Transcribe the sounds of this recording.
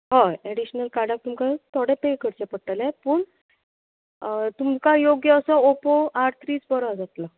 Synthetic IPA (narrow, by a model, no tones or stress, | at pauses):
ɦaeɽiɕnəlkaɽak̚t̪umkat̪ʰɔɽẽpekʰəɾt͡ɕepəɽʈalapəːɳ | t̪umkajoɡjəəsəopoaʈt̪ʰɾiːt͡sbəɾad͡zat̪la